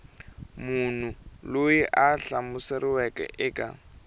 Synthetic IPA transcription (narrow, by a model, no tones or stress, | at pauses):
munuloiʔaɬamʊsɛrɪwɛkʼɛ̰ʔɪːkʼa̰